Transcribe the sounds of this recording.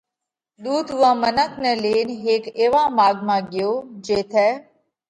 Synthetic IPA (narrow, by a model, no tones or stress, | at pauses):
d̪uːd̪ʊãːmənəknɛleːnɦeːkeːʋãːmaːɡmãːɡɪjoːd͡ʒeːt̪ʰɛː